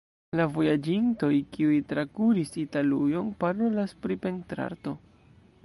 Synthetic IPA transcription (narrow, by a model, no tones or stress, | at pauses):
lavo̞jad͡ʒinto̞jkiujtɾakuɾisitalujo̞npaɾo̞laspɾipe̞ŋtɾa̰ɾto̞